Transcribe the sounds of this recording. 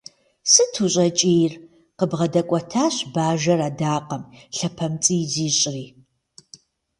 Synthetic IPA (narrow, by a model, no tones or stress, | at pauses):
sɨtʰuɕʼɐt͡ʃʼeːjr | qəbʁɐdɐkʷʼɐtʰaːɕbaːʒɐɾaːdaːqɐmɬɐpʰɐmt͡sʼiːziːɕʼriː